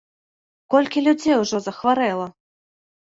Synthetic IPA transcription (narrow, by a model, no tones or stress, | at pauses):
kɔlʲkʲilʲud͡zʲejwʐɔzɐxvaɾɛlˠɐ